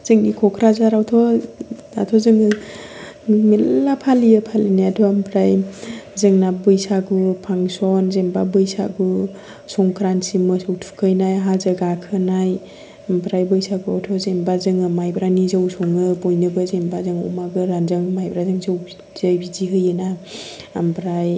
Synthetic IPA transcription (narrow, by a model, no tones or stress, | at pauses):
z̥ɯŋikʰɔkʰɾazaɾawtʰɔna̰tʰɔzɯŋɯ | melːapʰaliɯpʰalinajatʰɔampʰɾajzɯŋnabɯjsaɡupʰaŋsɔnzembabɯjsa̰ɡu | sɔŋkʰɾansimɯsɯwtʰu̥kʰɯjnajɦazəɡakʰɯnaj | ampɾajbɯjsaɡuɔtʰɔzembazɯŋɯmajbɾanizawsɔŋɯbojnɯɡɯzembazɯŋɔ̰maɡɯɾanzɯŋmajbɾazɯŋzɯwb | z̥ɯjbiziɦɯjɯna | ampɾaj